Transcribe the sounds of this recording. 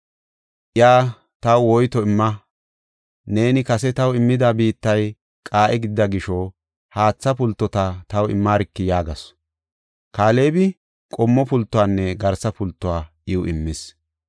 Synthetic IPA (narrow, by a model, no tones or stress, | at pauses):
ʔɪjaː | t̪ɐwwɔjt̪ɔɪmːɐ | ne̞ːnɪkɐsɛt̪ɐwɪmːɪd̪abiːt̪ːɐj | kʼaːʔɛɡɪd̪ːɐɡɪʃɔ | haːt͡sːɐpʊlt̪ːɔt̪ɐt̪ɐwɪ̰mːaːɾɪkːɪjaːɡɐs | kaːle̞ːbɪ | kʼɔmːɔpʊlt̪ːʊwaːnːɛɡɐɾsɐpʊlt̪ːʊwaːʔɪwʊʔɪmːɪs